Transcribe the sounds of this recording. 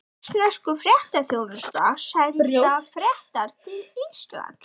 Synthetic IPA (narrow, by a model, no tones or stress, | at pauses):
snɛskʏfɾjɛht̪aθjoːwnʏst̪ashaːjðɾjoafɾjɛht̪aɾ̥t̪ʰɪlist̪la̰n